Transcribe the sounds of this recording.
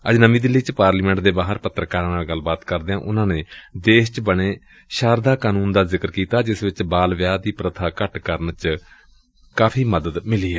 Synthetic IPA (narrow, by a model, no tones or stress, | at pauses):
əd͡ʒnəmĩːd̪ɪlːiːt͡ʃpaːɾliːmɛ̃ːɳʈ̚d̪eːbaːɦəɾpət̪ːɾəkaːɾnaːlɡəlːbaːt̪kəɾd̪eːãːʔʊnãːneːd̪eːʃt͡ʃbəɽeː | ʃaːɾd̪aːkaːnuːnd̪aːzɪkəɾkiːt̪aːd͡ʒɪsʋɪt͡ʃbaːlʋjaːd̪iːpɾət̪ʰaːkəʈkəɾənt͡ʃ | kaːpʰiːməd̪əd̪mɪliːɦɛː